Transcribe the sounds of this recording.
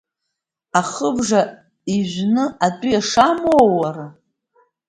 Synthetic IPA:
aχəbʐa | iʒʷnɨatʷʼijaʂamowara

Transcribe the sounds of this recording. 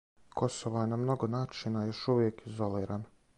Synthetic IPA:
ko̞soʋojenamno̞ɡonaːt͡ʃinajo̞ʃuʋjekizo̞liːɾan

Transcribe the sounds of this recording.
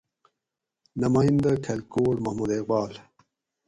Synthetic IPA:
nɐmaːind̪ɐkʰɐlkoːlmɐhmud̪eqbaːl

